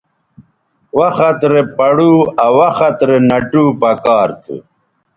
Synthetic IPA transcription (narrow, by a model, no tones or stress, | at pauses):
wɐxɐt̪ɾepɐɽuːɐwɐxɐt̪ɾenɐʈuːpɐkaːɾt̪ʰṵ